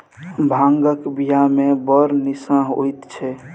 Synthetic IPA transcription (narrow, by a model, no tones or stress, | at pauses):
bʱãŋɡəkbijamẽbəɾnisãɦo̰jt̪t͡ʃʰɛ